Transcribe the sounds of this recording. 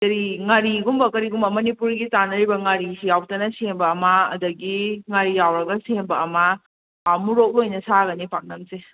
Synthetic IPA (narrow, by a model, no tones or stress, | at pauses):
tɐɾiŋaɾiɡumbɐkɐɾiɡumbɐmɐnipuɾɡitanɐɾibɐŋaɾisijaw̚tɐnɐsembɐːmɐɐ̰ːdɐɡiŋaɾijawɾɐɡɐsembɐːmɐ | amuɾok̚lojnɐsaɡɐnipʰaŋ̚nɐmse